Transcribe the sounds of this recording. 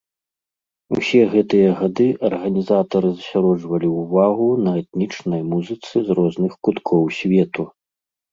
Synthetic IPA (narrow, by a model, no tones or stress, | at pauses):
ṵsʲɛɣɛt̪ɨjɐɣad̪ɨʔɐrɣɐnʲizat̪ɐɾɨzɐsʲaɾɔd͡ʐvɐlʲiuvaɣunɐɛt̪nʲit͡ʂnɐjmuzɨt̪sɨzrɔznɨxkut̪kʰɔwsʲvʲɛt̪u